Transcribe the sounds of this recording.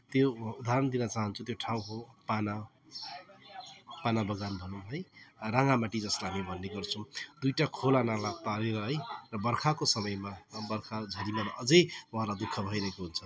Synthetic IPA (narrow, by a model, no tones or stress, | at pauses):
t̪joud̪aɾʌnd̪inʌt͡saɦʌnt͡sʰut̪joʈʰãw̃ɦopana | panabʌɡanbʱʌnuɦʌjraŋamaʈid͡zʌslaɦamibʱʌnːeɡʌrt͡sʰʌ̃w̃d̪ujʈakʰolanalat̪aleɾʌɦʌjrʌbʌrkʰakosʌmʌjmabʌrkʰad͡zʱʌɾimaɾʔʌd͡zʌjwɦãlad̪ukʰːʌbʱʌijɾʌɦekoɦunt͡sʰʌ